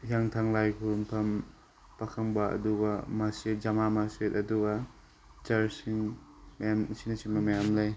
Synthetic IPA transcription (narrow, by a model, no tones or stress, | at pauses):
jaŋtʰaŋlajkʰuɾumpʰɐm | pakʰɐŋbɐɐ̰duɡɐmased͡ʒɐmamasɾetɐduɡɐ | t͡ʃɐɾsiŋ | mjamsinɐsiŋbɐmɐjamlɐj